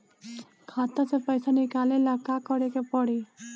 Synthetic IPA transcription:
kʰaːt̪ãsepəɪsanɪkaːlelakakəɽekepəɽi

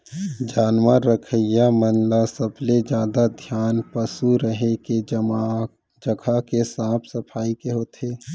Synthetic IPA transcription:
d͡ʒaːnmaɾəkʰəjamənlasəbled͡ʒaːd̪ad̪ʱjaːnpəsuɾəɦeke | d͡ʒəɡʱakesãːpʰsɐpʰaːikeɦoːt̪ʰeː

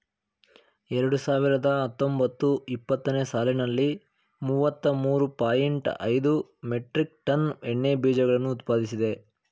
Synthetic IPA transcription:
ɛɾɐɽusaːʋiɾɐd̪ɐɦɐt̪ːo̞mbɐt̪ːuipːɐt̪ːɐneːsaːlinɐlːi | muʋɐt̪ːɐmuːɾupaːjiɳʈɐ̰jd̪umeʈɾik̚ʈɐnɛɳːebiːd͡ʒɐɡɐɭɐnːuːt̪paːd̪isid̪e̞

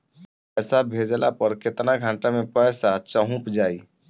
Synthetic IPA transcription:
pɛːsabʱed͡ʒlapəɾket̪naɡʱãɳʈamẽpɛːsat͡ʃəɦũpd͡ʒaːi

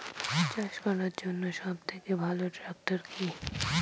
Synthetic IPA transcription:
t͡ʃaʃkɔnaɾd͡ʑonːoʃãbt̪ʰekebʱaloʈɾak̚ʈəɾkʰi

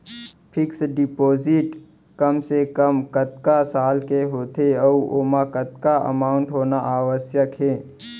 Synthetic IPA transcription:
pʰɪksɖɪpoːzɪʈ | kəmsekəmkət̪̚kasaːlkeɦoːt̪eɔuoːmakət̪kaə̰maːʊɳʈɦoːnaʔaːwəsjəkɦeː

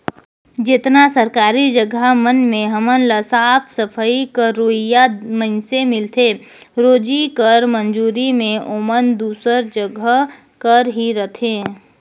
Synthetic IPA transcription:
d͡ʒɪt̪nasəɾkaːɾid͡ʒəɡʱamənmẽɦəmənləsaːpʰsəpʰəikəɾoɦɪjaməɪnsemɪlt̪ʰe | ɾoːd͡ʒikəɾmənd͡ʒuːɾimẽoːmənd̪uːsəɾd͡ʒəɡʱəɦ | kəɾɦiɾət̪ʰẽː

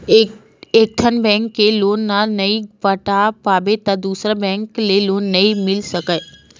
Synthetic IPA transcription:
ek̚ʈ̪ʰənbɛ̃ŋkːelonːanəipəʈapabet̪ãd̪usɾəbɛ̃ŋklelonːəĩmɪlʃəkaj

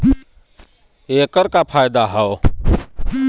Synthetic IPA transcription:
eːkəɾkapʰaːjd̪aɦɛo

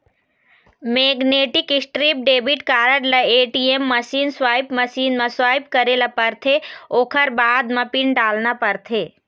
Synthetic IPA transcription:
meːɡneːʈɪkɪsʈɾiːp̚ɖeːbiʈkaːɾəʈlɐeːʈiemːɐsiːnswaːjpmɐsiːnmãswaːjp̚kɐɾeːlapəɾt̪ʰeoːkʰəɾbaːd̪mãpɪɳɖaːlnapɐɾt̪ʰeː

